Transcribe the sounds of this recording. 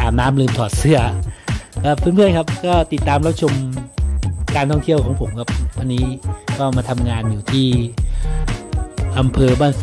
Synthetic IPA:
aː˨˩mnaː˦˥mlɯː˧mt̪ʰɔː˨˩t̪̚sɯ˦˥˩ɐ | kɔː˥˩pʰɯː˥˨npʰɯ˥˩ənkʰa˦˥p̚kɔː˥˩t̪i˨˩t̪ːaː˧mɾa˦˥p̚t͡ɕʰo˧m | kaː˧nt̪ʰɔ˥˩ŋt̪ʰi˥˩əwkʰɔː˩˦pʰo˩˦mkʰa˦˧˩p̚wa˧nːiː˦˥kɔː˥˩maː˧t̪ʰa˧mŋaː˧njuː˨˩t̪ʰiː˥˩ | ʔa˧mpʰɤː˧baː˥˩ns

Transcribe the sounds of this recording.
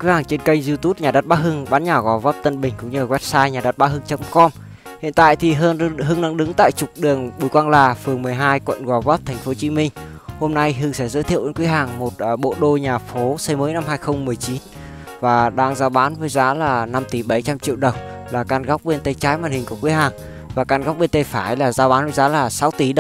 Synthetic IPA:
wi˨˦haː˨˩ŋt͡ɕe˧nkə˧jŋ̟zi˧t̪u˦˥t̚ɲaː˨˩ɗə˦˥t̚ɓaː˨˦˥ɦɨ˧ŋɓaː˨˦nɲaː˨˩ɣɔ˨˩vɔː˦˥p̚t̪ə˧nɓï˨˩ŋ̟kʊ̰˧˥ŋ͡mɲɨ˧˨˩wɛ˦˥p̚saː˧jɲaː˨˩ɗə˦˥t̚ɓaː˨˦ɦɨ˧ŋt͡ɕə˨˦mkɔ˧m | hḭ˧˨ənt̪a̰ː˧˨jt̪ʰi˨˩˧ɦɨ˧əŋɗa˧ŋɗɨ˨˦ŋt̪a̰ː˧˨jt͡ɕʊ˨˩k͡p̚ɗɨ˨˩əŋɓu˧˩jkwaː˧nlaː˨˩fɨ˨˩əŋmɨ˨˩əjɦaː˧jkwə̰˧˨nɣɔː˨˩vɔ˦˥p̚t̪ʰɛ˨˩ŋ̟fo˨˦t͡ɕi˨˦mï˧ŋ̟ | ho˧mna˧jɦɨ˧ŋsɛ̰˧˩zəː˨˦t̪ʰi˧˨wʔə˧nkwi˨˦ɦaː˨˩ŋmo˨˩t̚ːɓo̰˧˨ɗo˧ɲaː˨˩fo˨˦sə˧jməː˨˦jna˧mɦaː˧jxə˧wŋ͡mmɨ˨˩əjt͡ɕi˨˦n | vaː˨˩ɗaː˧ŋzaː˧wɓaː˨˦nvəː˨˦jzaː˨˦laː˨˩na˧mt̪i˧˩ɓə˧˩jt͡ɕa˧mt͡ɕḭ˧˨əwɗə˨˩wŋ͡m | laː˨˩kaː˧nɣa˦˥wk͡p̚ɓe˧nt̪ə˧jt͡ɕaː˨˦jmwaː˧nhï˨˩ŋ̟ku˧˩əkwi˨˦ɦaː˨˩ŋ | vaː˨˩kaː˧nɣa˦˥k͡p̚ɓe˧nt̪ə˧jfaː˧˩jlaː˨˩zaː˨˧wɓaː˨˦nvəː˨˦jzaː˨˦laː˨˩sa˨˦wt̪i˧˩ɗə˨

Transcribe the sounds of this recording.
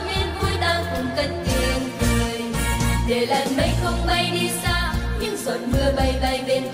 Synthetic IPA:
me˧nvu˧˦əjɗaː˧ŋkʊ˨˧˩ŋ͡mk̪ə˨˧˦ŋ̚t̪i˨˧˩nkɨ˨˩əjɗe˨˩la˨˩nɓə˧˦jxə˧wŋ͡mma˧jɗi˧saː˧ɲɨ˧ŋsə˨˩nmɨ˧əɓə˨˩jɓa˨˩jɓe˨˧˩n

